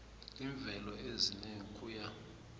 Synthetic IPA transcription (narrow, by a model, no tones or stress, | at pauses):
liɱb̪vʱɛlɔezineŋ̩kʰʼuːja